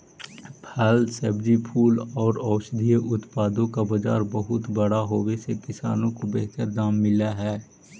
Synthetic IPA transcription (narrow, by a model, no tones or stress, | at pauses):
pʰɛlsəbd͡ʒipʰuːlɔːɾɔːʃd̪ʱijʔʊt̪paːd̪õkabəd͡ʒa̰ːɾbəɦʊt̪bəɽaɦoːwesekɪsa̰ːnõkobeɦt̪əɾd̪aːmːɪlaɦɛː